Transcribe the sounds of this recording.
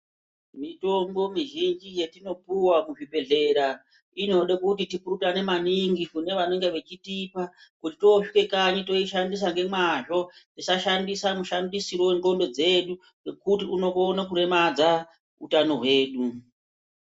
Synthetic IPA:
mito̞mbo̞miʒind͡ʒije̞tino̞puwamuʐibe̞ɮe̞ɾa | ino̞ɗekutitipuɾutane̞maniŋɡikune̞ʋaneŋɡeʋe̞t͡ʃitipakutito̞ʂike̞kaɲito̞iʃandis̬aŋɡe̞mwaʐo̞tisaʃandisanuʃandisiɾoweŋɡo̞ndo̞d͡ze̞ɗu | ekutiuno̞konakuɾe̞mad͡za | ṵtano̞ɦwe̞ːɗu

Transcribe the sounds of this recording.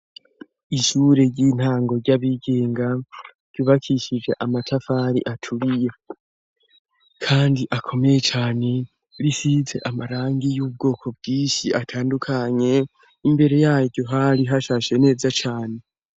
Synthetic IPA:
iʃuɾe̞ɟiːn̥haːŋɡo̞ɾɟaβiɡe̞ːŋɡa | ɾ̥juːβakʰiʃid͡ʒeʔamatʰafaɾḭʔatʰuɾije | kʰaːndiʔakʰo̞me̞je̞t͡ʃaːne̞ | ɾisize̞̰ʔamaɾaːŋɡijuːb̚ɡo̞ːkʰo̞b̚ɡiːnʃiʔatʰaːndukʰaɲe̞ | imbe̞ɾe̞jaːjoɟoɦaliɦaʃaʃe̞ne̞ːzat͡ʃaːne̞

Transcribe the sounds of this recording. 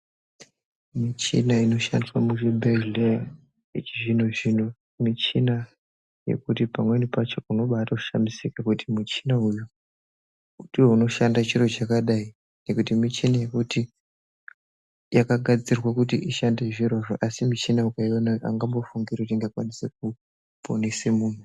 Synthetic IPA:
mit͡ʃḭnaino̞ʃa̰ndiswamuʐebʱele | it͡ʃiʐinoʐinu | mit͡ʃina | je̞̰kutipamwe̞nipat͡ʃo̞uno̞ɓaːtauʃamisikakutimit͡ʃinauju | utiwouno̞ʃandat͡ʃiɾo̞t͡ʃakaɗai | ne̞kutimit͡ʃinaje̞kuti | jakaɡʱad͡zirwakutiʔiʃande̞ʐiɾoʐoʔasimit͡ʃinaukaionaʔa̰ŋɡambo̞fuŋɡirekutiŋɡakwanisek̚u | pʰonesemuːn̤u

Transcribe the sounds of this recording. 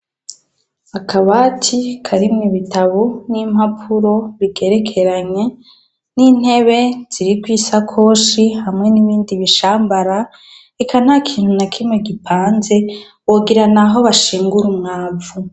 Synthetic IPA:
akʰaβatʰikʰaɾimŋiβitʰaβonim̥hapʰuɾo̞βiɡe̞ɾe̞kʰe̞ɾaɲe̞ | nin̥e̞βe̞z̥iɾikwiːsakʰo̞ːʃihamŋe̞niβiːndiβiʃaːmbaɾa | ekʰan̥hakʰiːn̥hunakʰimŋeɡipʰaːnze̞ | oɡiɾanaɦo̞βaʃiːŋɡuɾumŋaːvu

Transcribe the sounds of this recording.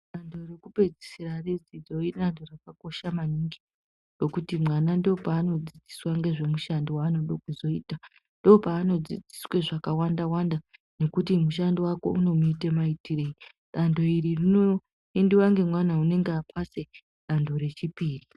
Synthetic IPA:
ɗando̞rekupe̞d͡zi̥sirared͡zid͡zo̞iɗando̞rakako̞ʃamaniŋɡi | ro̞kutimwanandopaːno̞d͡zid͡ziswaŋɡe̞ʐe̞muʃandiwaːno̞ɗo̞kuzo̞iːta | ndo̞paːno̞d͡zid͡zi̥sweʐakawandawanda | ne̞kutimuʃ̬andiwako̞̰uno̞muitemaitire̞i | ɗando̞iɾirino | endiwaŋɡe̞mwanaune̞ŋɡeapʰase̞ | ɗando̞ɾe̞t͡ʃipiːri

